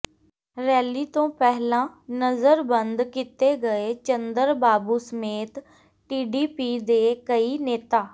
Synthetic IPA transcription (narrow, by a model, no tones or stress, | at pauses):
ɾɛːliːt̪õːpɛɦlãːnəzəɾbənd̪kɪt̪eːɡəeːt͡ʃənd̪əɾbaːbuːsəmeːt̪ | ʈiːɖiːpiːd̪eːkəiːneːt̪aː